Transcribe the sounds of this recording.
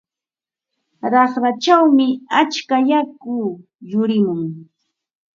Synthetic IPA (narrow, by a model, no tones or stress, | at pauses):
ɾɑχɾat͡ʃawmɪat͡ʃkajakʊ | jʊɾɪmʊŋ